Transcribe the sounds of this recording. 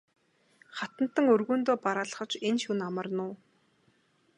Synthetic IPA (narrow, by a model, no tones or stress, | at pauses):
χat̪ə̆n̥t̪ə̆ŋɵrɣuːnt̪oːpaɾaːɮə̥̆χə̆t͡ɕenʃunamə̆rnʊː